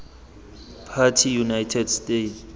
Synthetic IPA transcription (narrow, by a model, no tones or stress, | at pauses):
pʰatʰijunajtʰɛdstʼet